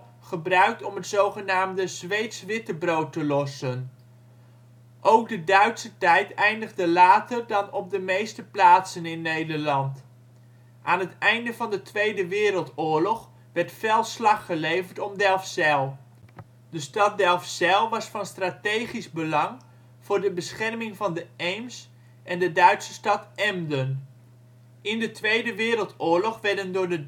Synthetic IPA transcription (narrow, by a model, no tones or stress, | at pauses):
χəbrœɥk̚tɔmɦətzowχənaːmdəzʋejtsʋɪtəbrowtəlɔsən | ʔowk̚dədœɥtsətɛjtɛjndəχdəlaːtərdɑnɔb̚dəmejstəplaːtsənɪnːejdəɹlɑnt | ʔaːnɦətɛjndəvɑndətʋejdəʋɪːɾəlˠtʊːɹlɔχ | ʋɛrtfɛlˠslɑχːəlejvərtɔmdɛlˠfsɛlˠ | dəstɑt̚dɛlˠfsɛlˠʋɑsfɑnstratejχizbəlɑŋ | v̥ʊːɹdəbəsχɛrmɪŋvɑndəejms | ʔɛndədœɥtsə̥stɑtɛmdən | ɪndətʋejdəʋɪːɾəlˠtʊːɹlɔχʋɛɹdəndʊːɹdə